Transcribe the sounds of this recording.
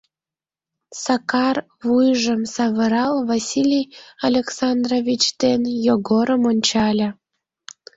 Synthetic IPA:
sɑkɑr | vujʒəmsɑβə̆ɾɑlˠvasʲilʲijalʲeksɑnd̪rovʲit͡ɕt̪enjoɡoɾəmonʲt͡ɕɑlʲə̆

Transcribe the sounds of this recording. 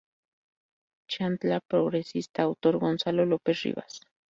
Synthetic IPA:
t͡ʃant̪lapɾoɣɾesist̪aːwt̪oɾɡonsalolopesrḭβa̰s

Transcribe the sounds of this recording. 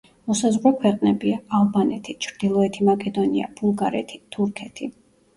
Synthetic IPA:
mɔsazʁɾɔkʰwɛqʼnɛbiaalˠbanɛt̪ʰit͡ʃʰɾd̪̥ilˠɔɛt̪ʰimakʼɛd̪ɔnia̰b̥ulˠɡaɾɛ̰t̪ʰi̥t̪ʰuɾkʰɛt̪ʰi

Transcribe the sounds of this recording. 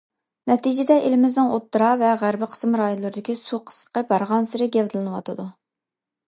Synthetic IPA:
nɛt̪id͡ʒɪd̪ɛʔelɪmɪznɨŋot̪ːɾɑvɛʁæɾbɪqʰə̥smɾɑːjonlˠɨɾɨd̪ɪkʲisuqʰə̥st̪qɑbɑɾʁɑnsɪɾɪɡʲɛvd̪ɨlˠɨnɨwɑt̪ʰɨd̪u

